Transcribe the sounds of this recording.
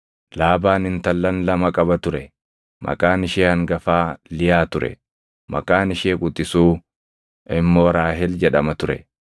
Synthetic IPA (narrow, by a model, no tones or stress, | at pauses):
laːbaːnɪnt̪ɐlːɐnlɐmɐkʼɐbɐt̪ʊɾɛ | mʔɐ̰kʼaːnɪʃeːhɐŋɡɐfaːlɪjaːt̪ʊɾɛ̰ | mʔɐ̰kʼaːnɪʃeːkʼʊt̪ʼːɪsuː | ʔɪmːo̞ːɾaːɦɛld͡ʒɛᶑɐmɐt̪ʊɾɛ̰